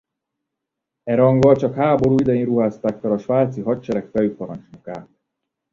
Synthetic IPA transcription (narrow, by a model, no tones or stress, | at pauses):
ɛɾɒŋɡɒlt͡ʃɒkhaːbo̞ɾuːid̪ɛjinruɦaːst̪aːkːɒɾɒʃʋaːt̪siɦɒct͡ʃɛɾɛkfɛjypɒɾɒnt͡ʃmuka̰ː